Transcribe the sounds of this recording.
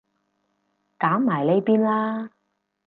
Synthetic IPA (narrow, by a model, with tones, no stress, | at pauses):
kaː˨˥mmaː˨˩jle˨˧jpiː˥nlaː˥